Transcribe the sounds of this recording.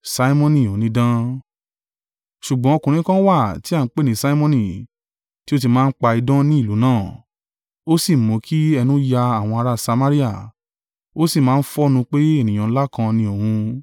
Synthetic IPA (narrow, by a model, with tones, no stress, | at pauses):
sa˧˦i˦mɔ̃˦˧nĩ˨o˨nĩ˨˦dã˦ | ʃu˨ɡ͡bɔ̃˨˦o˧kũ˨ɾ̃ĩ˨˦kã˦wa˦˨ti˦a˦˨n̩˦k͡pe˦˨nĩ˨˦sa˦i˦mɔ̃˦˧nĩ˨ | ti˦o˦t̬i˧˨mãː˦n̩˦k͡pa˧i˧dɔ̃˦nĩ˦i˦˨lu˨˦nãː˦˨ | o˦si˦˨mõ˨˦kʰi˦ɛ˧nũ˦ja˧a˨w̃ɔ̃˧a˧ɾa˦˨sa˧mã˦ɾi˦a˦˨ | o˦si˦˨mãː˨˦˧n̩˦fɔ˦nũ˧k͡pe˦e˦˨nĩ˨j̃ã˨˦la˦kã˧nĩ˧o˨hũ˧